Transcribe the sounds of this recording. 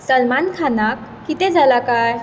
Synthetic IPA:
səlmankʰanakːit̪ed͡zalakaj

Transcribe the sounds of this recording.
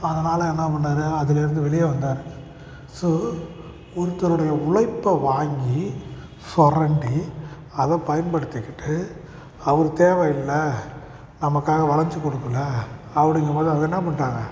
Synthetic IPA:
ɐðɐnaːlɐɛnːɐpɐɳːaːɾɯɐðɪlɪɾɯnd̪ɯʋɛɭɪjɐʋɐnd̪aːɾɯ | so | ɔɾɯt̪ːɐɾɯɽɐjɐʊɭɐɪpːɐʋaːŋɡi | sɔrɐɳɖi | ɐðɐ̃pɐjɐnbɐɽɯt̪ːɪkːɪʈːɯ | ɐʋɐɾɯt̪eːʋɐɪlːɐ | nɐmɐkːaːɣɐʋɐlɐɲd͡ʒɯkːɔɽɯkːɯlːɐːpːɐɽɪŋɡɐmaːdðɾĩɐðɛnːɐpɐɳraːŋɡɐ

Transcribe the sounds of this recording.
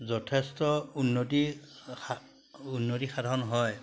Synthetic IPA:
zɔtʰestɔunːotia | unːotixadʱɔnɦɔj

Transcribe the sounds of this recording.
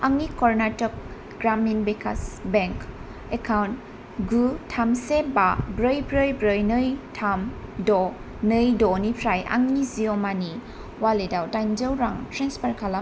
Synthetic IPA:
aŋnikɔɾnatɔk̚ | ɡɾaminbekʰasbeŋk | ekʰawnt | ɡutʰamsebabɾəjbɾəjbɾəjnɯjtʰamdɔ | nɯjdɔnipʰɾajʔa̰ŋniziɔmani | waledawdajnd͡ʒəwɾaŋtɾenspʰaɾkʰala

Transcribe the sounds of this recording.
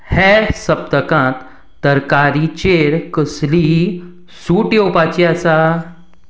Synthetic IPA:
hɛsəp̚t̪əkãt̪ː | əɾkaɾit͡ɕeɾkəsli | suːʈjopat͡ɕiasa

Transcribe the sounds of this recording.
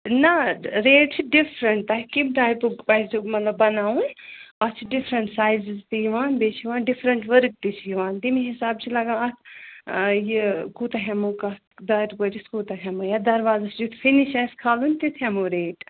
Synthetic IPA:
nɐɾeːʈt͡ʃʰɖifɾəɳʈt̪ɐɦikibɖaːjpupɐjumɐt̪lɐbːɐnaːũnɐt͡ʃʰɖifʰɾɐɳʈsaːjzizt̪ijiʋãːnbeːt͡ʃʰiʋãːnɖifʰɾəɳʈʋəɾk̚t̪it͡ʃʰijiʋãːnt̪imiɦisaːb̚t͡ʃʰilɐɡãɐt̪ʰ | jikuːt̪ɐɦɛmukɐ | d̪aɾkoʈiskuːt̪ɐɦɛmujad̪ɐɾʋaːzat͡ʃʰd͡ʒut̪ʰfʰiniʃaskʰaːlunʲt̪it̪ʰɐmuɾeːʈ

